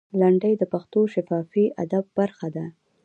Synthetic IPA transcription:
laɳɖəjd̪əpaxt̪oʃafɑfiʔa̰d̪ab̚ːaɾxad̪a

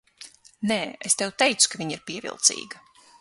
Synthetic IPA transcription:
nɛːest̪ɛwt̪ɛjt̪su̥kaviɲiɾpiɛvḭlˠt̪sḭːɡɐ

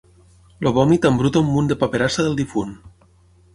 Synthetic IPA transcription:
loβɔmit̪ambɾut̪omːund̪epapeɾasaðelˠd̪ifun

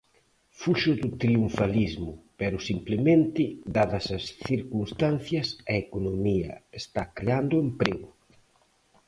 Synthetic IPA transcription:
fuʃʊðʊt̪ɾiuɱfalizmʊpɛɾʊsimplemẽnt̪ɪd̪aðɐsɐsθiɾkunst̪an̟θjɐsɐekonomiɐ̰est̪akɾeand̪ʊempɾeɣʊ

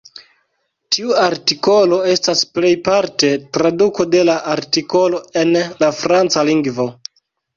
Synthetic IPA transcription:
tʰiuaɾtiko̞lo̞e̞stasple̞jpaɾte̞tɾaduko̞de̞laʔaɾtiko̞lo̞e̞nlafɾant͡saliŋɡvo̞

